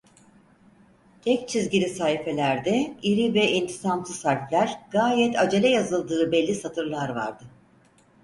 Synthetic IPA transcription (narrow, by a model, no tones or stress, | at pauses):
t̪ʰɛc̚t͡ʃʰizɟilʲisaːɦife̞lʲæɾd̪ɛiɾivɛint̪ʰi̥samt̪ʰɯsæɾflʲæɾɡ̥aːjɛt̪ʰad͡ʒelʲɛjazɯlˠd̪ɯːbɛlʲːisat̪ʰɯɾlˠaɾva̰ɾd̪ɯ